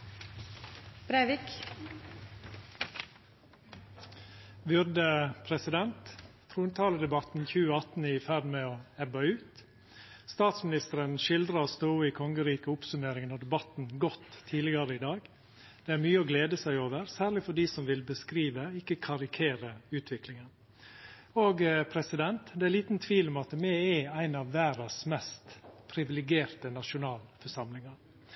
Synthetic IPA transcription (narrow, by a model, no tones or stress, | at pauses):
b̥ɾæɪʋik | bʏɾd̪əpʰɾɛsɪd̪ɛnt̪ | t̪ʰɾuːnt̪ʰɑːləd̪ɛbɑt̪n̩çʉːəɑt̪n̩ɪfæd̪meːɔɛbɑʉːt̪ | st̪ɑːt̪smɪnɪst̪əɾənʃɪld̪ɾɑost̪oːiːkʰɔŋəɾiːkəʊpsʉmeːɾɪŋənɔd̪ɛbɑt̪n̩ɡɔt̪ʰːiːlɪɡɑɾəɪd̪ɑːɡ | d̪̥ɛæɾmyːəɔːɡleːd̪əsæɪoːʋəɾsæːɾɭɪfɔɖiːsɔmʋɪlbəskɾiːʋəɪkːəkʰɑɾɪkʰeːɾəʉːt̪ʰʋɪklɪŋən | oːɡpʰɾɛsɪd̪ɛnt̪d̪ɛæɾliːt̪n̩t̪ʰʋiːlɔmɑt̪mɛɛæɪnɑːʋːæːɾɑsmɛst̪pʰɾɪʋɪlɪɡeːɾt̪ənɑʃʊnɑːlfɔʂɑmlɪŋɑɾ